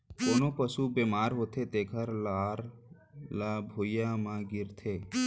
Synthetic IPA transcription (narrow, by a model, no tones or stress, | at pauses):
koːnopəsubeːmaːɾɦoːt̪ʰet̪eːkʰəɾlaːɾ | labʱoːjamãɡɪɾt̪ʰeː